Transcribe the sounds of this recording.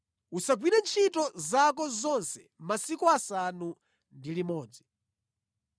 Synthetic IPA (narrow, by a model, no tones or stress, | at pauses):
usaɡwiɗɛnt͡ʃʰitɔzakɔzɔnsɛ | masikuasanu | ndilimɔːd͡zi